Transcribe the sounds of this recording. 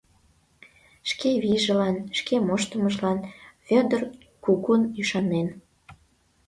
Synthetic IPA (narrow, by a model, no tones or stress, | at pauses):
ʃkeβiʒə̆lɑnʃkemoʃt̪əməʒlɑnfød̪ər | kukunyʃɑnen